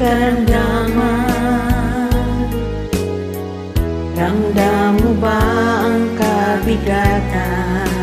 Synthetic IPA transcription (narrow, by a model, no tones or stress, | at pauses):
aɾandama | daŋdamubaaŋkabiɡat̪a